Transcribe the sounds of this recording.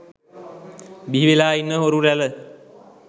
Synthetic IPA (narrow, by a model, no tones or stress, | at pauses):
biʋelaːinːəɦoɾuɾælə